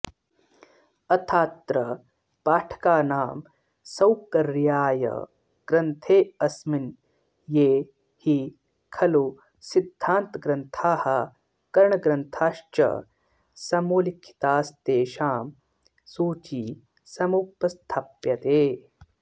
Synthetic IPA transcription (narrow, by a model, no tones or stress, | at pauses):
ɐt̪ʰaːt̪ɾɐ | paːʈʰɐ̥kaːnaːm | sɐwkɐɾjaːjɐ̰ | ɡ̥ɾɐnt̪ʰeːɐsmin | jeː | hi | kʰɐlu | sid̪ʱːaːnt̪ɡɾɐnt̪ʰaːhɐ | kɐɾɳɐɡɾɐnt̪ʰaːʃt͡ʃɐ̰ | sɐmoːlikʰːi̥t̪aːst̪eːʃaːm | suːt͡ʃi | sɐmupːɐst̪ʰaːpjɐt̪eː